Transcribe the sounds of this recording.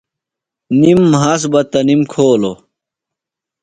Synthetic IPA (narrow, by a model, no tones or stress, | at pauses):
nimːɦɐs̬bɐt̪ɐnimkʰoːlo